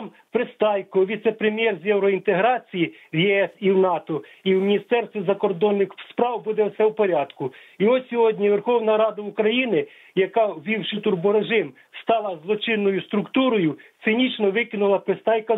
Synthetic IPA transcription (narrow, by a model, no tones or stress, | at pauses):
m | pɾɪst̪ɑjkɔʋʲit̪sɛpɾemʲjɛrzʲjɛwɾɔint̪eɦɾɑt͡sʲiji | wjɛɛsiwnɑt̪ɔ | iwmʲinʲist̪ɛrst̪ʋʲizɐkɔrd̪ɔnːɪxspɾɑwbud̪ɛɔt̪sɛwpɔɾʲɑd̪kʊ | iɔsʲsʲɔɦɔdʲnʲiʋe̞rxɔwnɐɾɑd̪ɐukɾɐjinɪ | jɐkɑwʋʲiwʃɪt̪urbɔɾeʒɪm | st̪ɑlˠɐzlˠɔt͡ʃɪnːɔjʊst̪ɾʊkt̪uɾɔjʊt̪sɪnʲit͡ʃnɔʋɪkʲɪnʊlˠɐpɾɪst̪ɑjkɐ